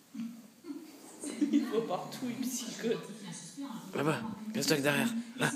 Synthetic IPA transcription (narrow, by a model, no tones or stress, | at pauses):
ilvwapaʁt̪ʰuynpsi̥kɔt̪ | abakɛ̃st̪ak̚d̪ɛʁjɛʁla